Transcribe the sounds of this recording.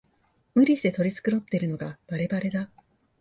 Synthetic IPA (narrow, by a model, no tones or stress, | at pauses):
mɯ̟ɾʲiɕi̥d̪e̞t̪o̞ɾʲit͡sɨ̥kɯ̟ɾo̞t̪ːeɾɯ̟no̞ɡab̥aɾe̞baɾe̞d̪a